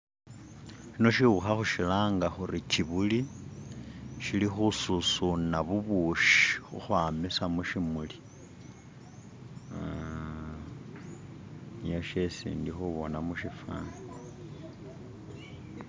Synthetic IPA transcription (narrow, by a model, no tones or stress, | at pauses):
ʃino̞ʃiuxaxuʃilaːŋɡaxuɾit͡ʃiβuli | ʃilixususunaβuβuʃi̥xṵxwaːmisamuʃimuli | nijoʃesḭːndixuβonamuʃifa̰n